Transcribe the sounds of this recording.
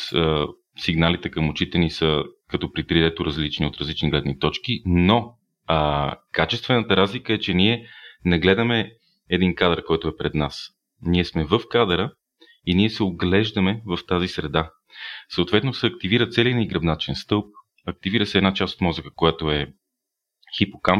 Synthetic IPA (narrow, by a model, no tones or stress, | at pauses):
ə | siɡnalit̪ɛkəmʊt͡ʃit̪ɛnisəkɐt̪ɔpɾit̪ɾid̪ɛt̪ʊɾɐzlit͡ʃniot̪ɾɐzlit͡ʃniɡlɛd̪nit̪ɔt͡ʃkino | kat͡ʃɛst̪vɛnət̪əɾazlikəɛt͡ʃɛniɛnɐɡlɛd̪əmɛ | ɛd̪inkad̪əɾkɔjt̪ʊɛpɾɛd̪nas | niɛsmɛvəfkad̪əɾə | iniɛsɛoɡlɛʒd̪əmɛvəft̪azisɾɛd̪a | səoːt̪vɛt̪nosɛɐkt̪iviɾət̪sɛliniɡɾɐbnat͡ʃɛnst̪ɤlˠp̚ | ɐk̚t̪iviɾəsɛːd̪nat͡ʃast̪o̥t̪mɔzəkə̥kojat̪oɛ | xipokam